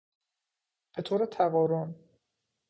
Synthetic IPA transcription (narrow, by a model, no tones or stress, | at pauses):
b̥et̪ʰoːɾet̪ʰæɣɒːɾon